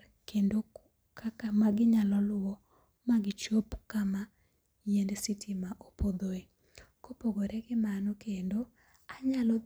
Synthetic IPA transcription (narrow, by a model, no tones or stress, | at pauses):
kendo | kmaɡɪɲalɔlʊwɔ | maɡɪt͡ʃopkama | jendsitʰimaʔopod̪oe | kopoɡoɾɛɡɪmanɔkendo | aɲalɔ